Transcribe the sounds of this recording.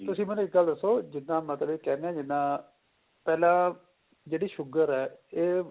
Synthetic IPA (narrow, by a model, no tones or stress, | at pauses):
t̪ʊsĩːmɛnũːɪk̚ɡəld̪əsːoːd͡ʒɪnːãːmət̪ləbeːkɛːɾnɛ̃ːd͡ʒɪnːãː | pɛːlãː | d͡ʒeːɽiːʃʊɡəɾɛːeː